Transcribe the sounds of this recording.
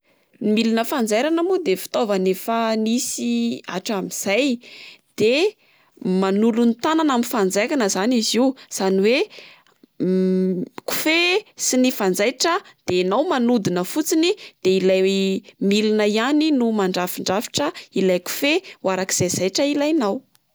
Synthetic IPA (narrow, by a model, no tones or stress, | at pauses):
milinəfand͡zajɾanamud̪efi̥t̪ovanefənisia̰ʈ͡ʂamiz̥ajd̪̥e | manulunit̪ananaminfand͡zajkanəzaniziuz̥aniwe | ku̥fesinifand͡zajʈ͡ʂəd̪̥eanawmanud̪inəfut͡sinid̪̥eilajmilinəianinumaɳɖ͡ʐafiɳɖ͡ʐafi̥ʈ͡ʂəilajku̥fewaɾaki̥z̥ajz̥ajʈ͡ʂəilajnaw